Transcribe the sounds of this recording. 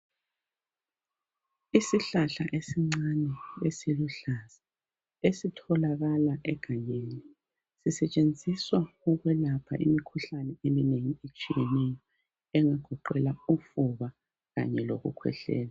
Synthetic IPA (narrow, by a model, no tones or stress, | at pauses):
isiɬaɬa̰ʔesiŋ͡ǀanɛesiluɬaz̥ḁ | esitʰɔlaɣalaʔɛɡ̥ʱaɲeni | sisɛt͡ʃʼend͡zʱiswauɣwɛlapʰa̰ʔḭmikʰuɬanɛemineŋiet͡ʃʼijɛnɛjɔ | ɛŋaɡ̥ʱɔǃɛlaufuβa | ɣa̰ɲɛloɣṵkʰwɛ̰ɬɛ̰ːla